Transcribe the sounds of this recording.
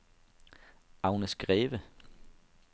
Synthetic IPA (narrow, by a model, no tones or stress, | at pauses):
ɑ̈ʊnəsɡ̥ʁɛːʋə